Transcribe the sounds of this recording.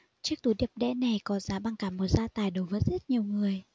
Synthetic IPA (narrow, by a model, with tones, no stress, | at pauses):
t͡ɕɨ˦˥ək̚t̪u˨˩˦ɗi˨˩əp̚ɗɛ̰˧˥na˨˩jkɔ˨˦zaː˨˦ɓaː˧ŋkaː˧˩mːo˨˩t̚z̥aː˧t̪aː˨˩jɗo˨˦jvəː˨˦jzə˦˥t̚ɲi˨˩əwŋɨ˨˩əj